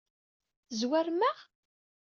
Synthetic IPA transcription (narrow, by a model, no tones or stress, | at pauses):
zwæɾmæʁ